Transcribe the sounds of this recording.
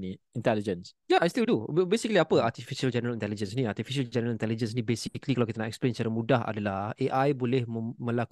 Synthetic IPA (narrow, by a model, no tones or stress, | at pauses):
niĩnt̪ɛlid͡ʒə̃nsjaajst̪ildubbesikliapəat̪ifiʃəld͡ʒɛnəɾalĩnt̪ɛlid͡ʒə̃nsnĩat̪ifiʃəld͡ʒɛnəɾəlint̪ɛlid͡ʒə̃nsnĩbesiklikalawkit̪anãʔɛksplẽnsət͡ʃaɾamũdaɦa̰dəlaeʔajbolɛhmə̃lak